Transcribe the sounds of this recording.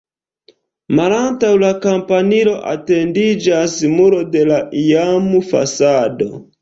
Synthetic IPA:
malantawlakampanilo̞ʔa̰te̞ndid͡ʒasmuɾo̞de̞laʔiamufa̰sado̞̰

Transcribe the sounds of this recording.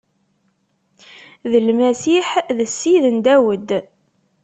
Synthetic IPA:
ðəlmæsiħðəsːiðənd̪æwəd̪

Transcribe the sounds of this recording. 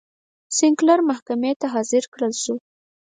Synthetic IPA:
sɪŋklaɾmahkamet̪aɦɑzɪɾkɽəlʃu

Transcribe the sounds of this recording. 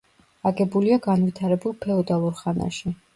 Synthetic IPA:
aɡɛbuliaɡanvit̪ʰaɾɛbulˠpʰɛɔd̪alˠuɾχana̰ʃi

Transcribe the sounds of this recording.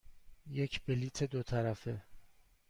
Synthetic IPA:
jecʰbeliːt̪ʰed̪ot̪ʰæɾæfe

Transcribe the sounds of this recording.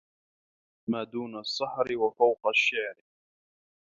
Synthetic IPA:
maːd̪uːnasˤːɑħɾɪwafawqɑʃːaːɾ

